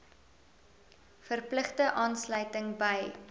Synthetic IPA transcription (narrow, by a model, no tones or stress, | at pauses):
fərpləχdəʔɑːnslœɥtəŋbəj